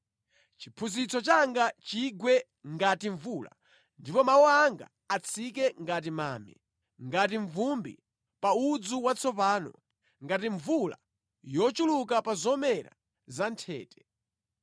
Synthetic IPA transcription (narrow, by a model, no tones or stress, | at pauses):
t͡ʃipʰuzit͡sɔt͡ʃaŋɡat͡ʃiɡwɛ | ŋɡatiɱvula̰ | ndipɔmawɔaŋɡa̰ːt͡sʰikɛŋɡatima̰ːmɛ̰ | ŋɡat̬iɱvumbḭ | paud͡zuwat͡sʰɔpaːnɔ̰ | ŋɡatiɱvula̰ | jɔt͡ʃulukapazɔmɛɾa̰ | zantʰɛ̰ːtɛ̥